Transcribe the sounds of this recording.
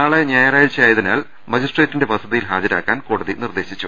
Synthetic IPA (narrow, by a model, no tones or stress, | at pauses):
aːɭeɲaːjɐraːjilt͡ɕːɐjaːjɐðinaːɭ | mɐd͡ʑisʈreːtːinde̞ʋɐsɐðijilɦaːd͡ʑɐɾa̰ːkːaːnkoːɽɐðinird̪e̞ːɕit͡ɕːu